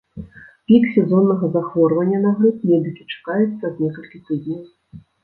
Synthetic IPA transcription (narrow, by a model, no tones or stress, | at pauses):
pʲiksʲɛzɔnːɐɣɐzaxvɔrvɐnʲːɐnaɣɾupmʲɛd̪ɨkʲi̥t͡ʂḁkajɛt̪sːɐd̪nʲɛkɐlʲkʲit̪ɨd̪ʲnʲɐw